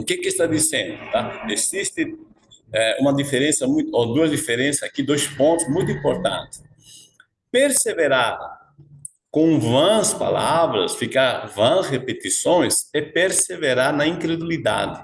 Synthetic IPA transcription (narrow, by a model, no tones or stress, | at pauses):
kekɪst̪ad̪isẽnd̪ʊt̪aezist̪ɪ | ɛũmɐd̪ifeɾẽnsɐmũjt̪ʊod̪uɐzd̪ifeɾẽnsɐsakid̪ojspõnt̪ʊzmũjt̪ʊĩmpoɾt̪ã̰nt̪ɪ̥s | peɾseveɾaɾ | kõŋvãspa̰lavɾɐ̰sfikaɾvãsʁepet̪isõj̃sɛpeɾseveɾaɾnɐĩŋkɾed̪ulid̪a̰d̪ɪ